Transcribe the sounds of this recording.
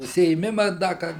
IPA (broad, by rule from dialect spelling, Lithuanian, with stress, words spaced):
ʊʃʲsʲɪeːˈmʲɪmɐ ˈdɐ kɐt